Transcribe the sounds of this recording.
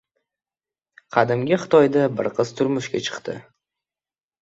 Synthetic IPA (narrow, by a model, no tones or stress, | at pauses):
qʰɑd̪ɪmɡʲaχɨt̪ʰɒjd̪abɨ̰ɾqʰɨz̥t̪ʰʊɾmʊʃɡʲa̰t͡ʃʰɨ̥qt̪ɪ̰